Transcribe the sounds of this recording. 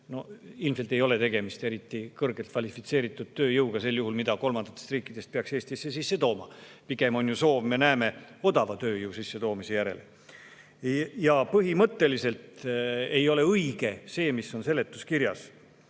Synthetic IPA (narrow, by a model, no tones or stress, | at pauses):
no̞ilmselt̪ˑe̞jo̞le̞t̪e̞ɡ̥e̞mist̪e̞ɾit̪ːˑikɤrɡ̥e̞lt̪fvɑlifit̪se̞ːɾit̪ːˑud̪̥̚t̪øːjɯwɡ̥ɑse̞lːjuhulmid̪̥ɑko̞lmɑnd̪ɑ̥t̪ˑːest̪riːkːˑid̪̥e̞st̪̚peɑkse̞ːst̪isːesisːe̞t̪o̞ːmɑpiɡ̥e̞mo̞njuso̞ːvme̞næeme̞o̞d̪ɑvɑt̪ø̞ːjɯusisːe̞t̪o̞ːmise̞jæɾe̞̰l | jɑpɤɦimɤt̪ːe̞lise̞lt̪e̞jo̞le̞ɤiɡ̥e̞se̞ːmisːo̞nse̞lːe̞t̪ːˑuskiɾjɑs